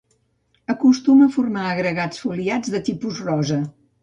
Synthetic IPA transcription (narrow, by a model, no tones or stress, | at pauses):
əkust̪uməfurmaəɣɾəɣat͡sfuliad͡zðət̪ipuzrɔzə